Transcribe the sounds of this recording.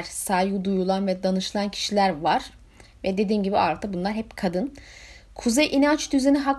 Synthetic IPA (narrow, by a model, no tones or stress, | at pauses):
ɾ̥saːjud̪ujulˠanvɛd̪anɯʃɯlˠancʰi̥ʃilʲæɾvaɾ̥ | vɛd̪e̞d̪iːnɟibiaɾt̪ʰabunlˠaɾhɛpkʰad̪ɯnkʰuzɛjʔinant͡ʃd̪yzeniɦak